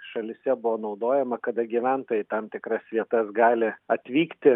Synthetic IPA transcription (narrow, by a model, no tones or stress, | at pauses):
ʃɐlʲɪsʲɛbʊʋoːnɒʊd̪oːjɛmɐkɐd̪ɐɡʲiʋʲænt̪oːjɛt̪ɐmt̪ʲɪkɾɐsʋʲiɛt̪ɐsɡɑːlʲɪɐt̪ʲʋʲiːkt̪ʲɪ